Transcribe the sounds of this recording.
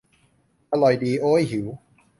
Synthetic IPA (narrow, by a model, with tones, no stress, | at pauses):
ʔa˧lɔ˨˩jdiː˧ʔoː˦˥jɦi˩˦w